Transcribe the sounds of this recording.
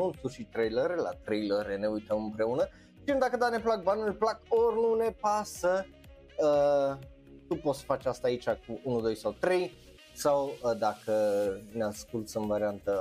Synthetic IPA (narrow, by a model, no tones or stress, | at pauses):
nult̪uʃit̪ɾejləɾela̰t̪ɾejləɾene̞ujt̪əmɨmpɾe̞unə | t͡ʃiɨnd̪akəd̪ane̞plak̚banulʲplakorʲnune̞pasə | ə | t̪upo̞t̪sə̥fat͡ʃʲast̪aːit͡ʃakuunud̪o̞jsawt̪ɾe̞j | sawəd̪akəneaskult̪sɨnvaɾiant̪ə